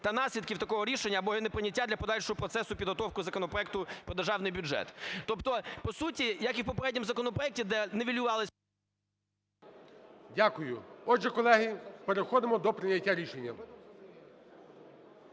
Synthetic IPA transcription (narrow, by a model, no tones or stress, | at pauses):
t̪ɐnɑsʲlʲid̪̚kʲiwt̪ɐkɔɦɔɾʲiʃenʲːɐːbɔinɛpɾɪnʲɐtʲːad̪lʲɐpɔd̪ɑlʲʃɔɦɔpɾɔt̪sɛsʊpʲid̪ɦɔt̪ɔwkʊzɐkɔnɔpɾɔɛk̚t̪ʊpɾɔd̪erʒɑwnɪjbʲʊd͡ʒɛ̰t̪ːɔpt̪ɔpɔsutʲijɐkiwpɔpeɾɛdʲnʲimzɐkɔnɔpɾɔɛk̚tʲid̪ɛnɛʋʲilʲjʊʋɑlˠɪsʲ | dʲakʊjʊɔd͡ʒɛkɔlˠɛɦipeɾexɔd̪ɪmɔd̪ɔpɾɪnʲɐtʲːaɾʲiʃenʲːɐ